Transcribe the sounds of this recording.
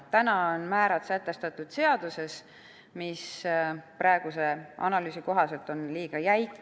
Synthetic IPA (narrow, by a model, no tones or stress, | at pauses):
t̪ænɑonmæːɾɑt̪sæt̪ːˑe̞st̪ɑt̪ːˑud̪̥se̞ɑd̪̥use̞s | mispɾɑeɡ̥use̞ʔɑ̰nɑlyːsiko̞ɦɑse̞lt̪o̞nliːɡ̥ɑjæjkːˑ